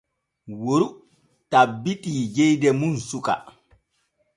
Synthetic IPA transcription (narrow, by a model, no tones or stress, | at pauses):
woɾu | tabːitiːd͡ʒɛjdɛmunsuka̰